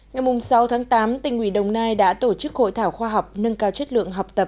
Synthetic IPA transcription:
ŋa˨˩jmʊ˨˩ŋ͡msa˨˦wt̪ʰaː˨˦ŋt̪aː˨˦mt̪ï˨˩ŋ̟ʔwi˧˩ɗə˨˩wŋ͡mnaː˧jɗa̰ː˧˥t̪o˧˩t͡ɕɨ˦˥k̚ho̰˧˨jt̪ʰaː˧˩wxwaː˧ɦa˨˩wk͡p̚nə˧nkaː˧wt͡ɕə˦˥t̚lɨ̰˧˨əŋɦa˨˩wk͡p̚t̪ə˨˩p̚

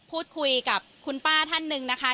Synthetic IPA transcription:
pʰuː˥˩t̪̚kʰu˧jka˨˩p̚kʰu˧npaː˥˩t̪ʰa˥˩nːɯ˨˩ŋna˦˥kʰa˦˥

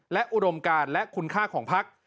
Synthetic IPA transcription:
lɛ˦˥ʔu˧do˧mkaː˧nlɛ˦˥kʰu˧nkʰaː˥˩kʰɔː˩˦ŋpʰa˦˥k̚

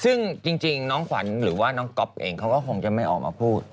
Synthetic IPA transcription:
sɯ˥˩ŋt͡ɕi˧ŋt͡ɕi˧ŋnɔː˦˥ŋkʰa̰˩˦nɾɯː˩˦waː˥˩nɔː˦˥ŋkɔ˦˥p̚ʔeː˧ŋkʰa˦˥wkɔː˥˩kʰo˧ŋt͡ɕa˨˩ma˥˩jʔɔː˨˩k̚mʔaː˧pʰuː˥˩t̪̚

